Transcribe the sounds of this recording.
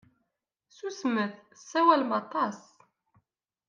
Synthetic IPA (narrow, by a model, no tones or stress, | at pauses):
susməθsːæwælmɑt̪ˤɑs